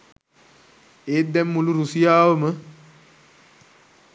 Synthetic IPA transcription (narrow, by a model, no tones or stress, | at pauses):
eːt̪d̪ɛmːuluɾusijaːʋəmə